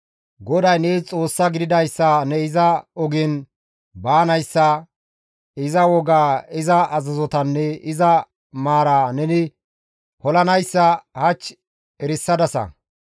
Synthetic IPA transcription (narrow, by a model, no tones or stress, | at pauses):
ɡɔd̪ɐjneːt͡sʼo̞ːsːɐɡɪd̪ɪd̪ɐjsːɐnɛɪzɐɔɡɪn | baːnɐjsːɐ | ɪzɐwɔɡaːɪzɐʔɐzɐzɔt̪ɐnːɛɪzɐ | maːɾaːnɛnɪ | hɔlɐnɐjsːɐhɐt͡ʃː | ɛɾɪsːɐd̪ɐsɐ̰